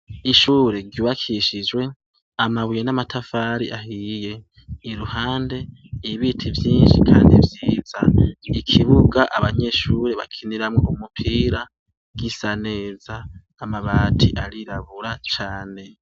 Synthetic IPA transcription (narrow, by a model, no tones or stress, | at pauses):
iʃuːɾe̞ɾɟuːβakʰiʃid͡ʒwe̞ | amaβujenamatʰafaːɾḭʔahije̞ | iɾuhaːnde̞iβitʰivjiːnʃikʰaːndivjiːz̥aikʰiβuɡaʔaβaɲe̞ʃuɾe̞βa̰kʰiniɾamŋoumupʰiːɾa | ɡ̥isane̞ːz̥aː | maβaːtʰiʔaɾiɾaβuɾat͡ʃaːne̞